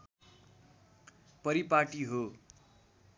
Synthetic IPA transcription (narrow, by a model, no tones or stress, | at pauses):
pʌɾipaʈiɦo